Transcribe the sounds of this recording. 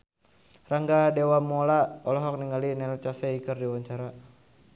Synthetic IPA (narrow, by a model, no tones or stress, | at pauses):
raŋɡadɛwamɔlaɔlɔɦɔk̚niŋalinɛlt͡ʃasɛikərdiwaɲt͡ʃaɾa